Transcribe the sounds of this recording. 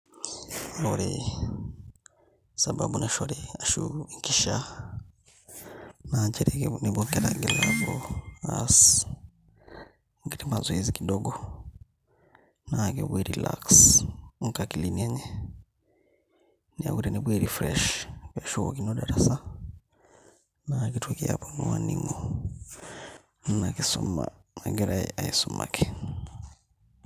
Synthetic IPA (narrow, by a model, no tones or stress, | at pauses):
loɾḭ | saba̰buneʃoɾiaʃukiʃa | naɲt͡ʃeɾinibokeɾa̰ɡilavuas | ŋɡiɾimazwizikidoɡo | nakobwiɾila̰ksŋ̩kakiliniɛɲɛ | nia̰kuɾinibweɾifɾɛʃkaʃukɔkinɔɗaɾasa | nakitwakia̰pɔnuwaniŋɡɔ | nnakisɔma̰maɡɛɾaḭʔaisuma̰kʰi